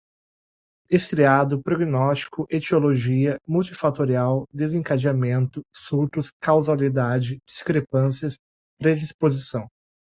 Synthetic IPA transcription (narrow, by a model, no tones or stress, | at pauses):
eskɾiad̪ʊpɾoɡinɔst͡ʃi̥kʊʔet͡ʃioloʒiɐmuwt͡ʃifat̪oɾiawd̪ezẽkad͡ʒiamẽnt̪ʊsuɾt̪ʊskawzalid̪ad͡ʒɪd͡ʒiskɾepɐ̃siɐs | pɾed͡ʒispozisɐ̃w̃